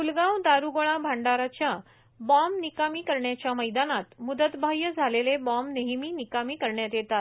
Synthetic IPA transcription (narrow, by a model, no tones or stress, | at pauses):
fulɡãwd̪aɾuɡoɭ̃abʱãɳɖaɾat͡ɕja | bamnikamiːkəɾɳjat͡ɕjaməjd̪anat̪mud̪ət̪bʱajəd͡zʱalelebɔmneɦmiːnikamiːkəɾɳjat̪jet̪at